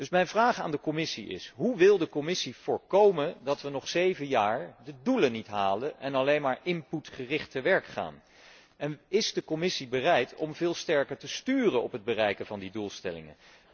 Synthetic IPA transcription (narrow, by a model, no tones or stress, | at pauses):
d̥ɵsmɛjnvraːχa̰ːndəkɔmɪsiɪ̰sɦuʋɪlˠdəkɔmɪsiv̥ʊːɹkowmədɑtʋənɔχsejvənjaːɹdədulənitɦaːləʔɛnɑlejnmaːɹʔɪmputχərɪχtəʋɛɹkχa̰ːn | ɛnɪzdəkɔmɪsibərɛjtɔmvɪːlˠstɛɹkəɹtəstyːrənɔpɦəd̚bərɛjkəvɑndidulˠstɛ̰lɪ̰ŋə̰